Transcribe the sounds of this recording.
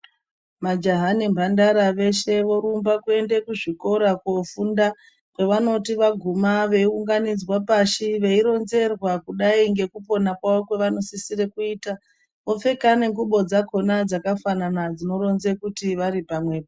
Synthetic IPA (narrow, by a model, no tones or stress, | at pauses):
mad͡ʒaɦanimbʱandaɾaʋe̞ʃe̞ʋo̞ɾumbakue̞nde̞kuʐiko̞ɾakofunda | kwe̞ʋano̞tiʋaɡʱumaʋe̞iuŋɡanid͡zwapaʃiʋe̞iɾo̞nze̞rwakuɗaiŋɡe̞kupo̞nakwaʋo̞kwe̞ʋano̞sisire̞kuiːta | ʋo̞fe̞kane̞ŋɡuɓo̞d͡zako̞nad͡zakafananad͡zino̞ɾo̞nze̞kutiʋaɾipamwe̞ːpa